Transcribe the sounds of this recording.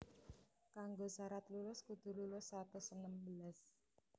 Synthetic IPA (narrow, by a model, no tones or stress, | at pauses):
kaŋɡosaɾat̪lulʊskud̪̥ṳlulʊsat̪usənəmbəlas